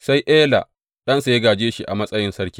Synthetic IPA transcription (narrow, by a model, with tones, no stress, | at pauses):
sa˦jʔeː˦la̰˨ | ɗɐ˦nsa˨je˦ɡaː˨d͡ʒeː˦ʃi˦ʔa˨mɐ˦sʼɐ˦jɪ˦nsɐ˦rkʲi̥ː˦